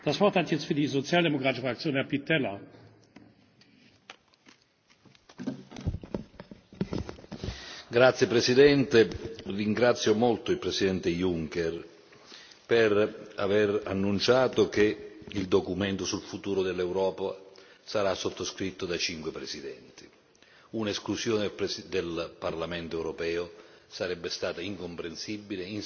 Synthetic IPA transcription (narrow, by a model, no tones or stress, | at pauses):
d̥asv̥ɔʁthatjɛt͡st̪fyːɐdiːzot͡sjaːldemokʁaːt̪ɪ̥ʃəfakt͡sjoːnhɛɐpitʰːɛlɐ | ɡɾat̪sjepɾesid̪ɛnt̪erːiŋɡɾat̪sjomolt̪oilpɾesid̪ɛnt̪ejuŋkɛr | pera̰vera̰nːunt͡ʃaːt̪ok̟eild̪okument̪osulfut̪uːɾod̪elːewɾɔːpa | saɾasːot̪ːoskɾit̪ːod̪at͡ʃiŋkwepɾesid̪ɛnt̪i̥ | unesklusjoːnd̪elparlamɛnt̪oɛwɾopɛːo | saɾɛbːest̪aːt̪aiŋkompɾensibːilein